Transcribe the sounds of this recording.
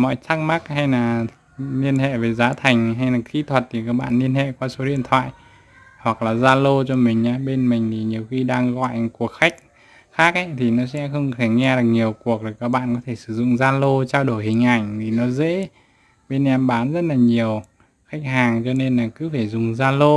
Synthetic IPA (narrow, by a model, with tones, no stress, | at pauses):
mɔ̰˧˨jt̪ʰa˦˥k̚ma˦˥k̚ha˧jlaː˨˩ | ni˧ənhḛ˧˨ve˨˩zaː˨˦t̪ʰa˨˩jŋ̟ɦa˧jnaː˨˩xi˧˥t̪ʰwə˨˩t̚t̪ʰi˨˩kaː˦˥k̚ɓa̰ː˧˨nːi˧ənhḛ˧˨kwaː˧so˨˦ɗḭ˧ənt̪ʰwa̰ː˧˨j | hwa˨˩k̚laː˨˩zaː˧lo˧t͡ɕɔ˧mï˨˩ŋ̟ʔaː˨˦ɓe˧nmï˨˩ŋ̟t̪ʰi˨˩ɲi˨˩əwxi˧ɗaː˧ŋɣɔ̰˧˨jʔku˨˩ək̚xa˦˥jk̟̚ | xaː˦˥k̚ʔə˨˧˦t̪ʰi˨˩nɔ˨˦sɛ̰˧˥xə˧wŋ͡mt̪ʰe˧˩ŋɛ˧ɗɨ˨˩k̚ɲi˨˩əwku˨˩ək̚tə˨˩kaː˦˥k̚ɓa̰ː˧˨nkɔ˨˦t̪ʰe˧˩sɨ̥˧˩zʊ̰˧˨ŋ͡mzaː˧lo˧t͡ɕaː˧wɗo˧˩jhï˨˩ŋ̟ʔa˧˩jŋ̟t̪ʰi˨˩nɔ˨˦zḛ˧˥ | ɓe˧nʔɛ˧mɓaː˨˦nzə˦˥t̚laː˨˩ɲi˨˩əw | xa˦˥k̚ɦaː˨˩ŋt͡ɕɔ˧ne˧nlaː˨˩kɨ˨˦faː˧˩zʊ˨˩ŋ͡mzaː˧lo˧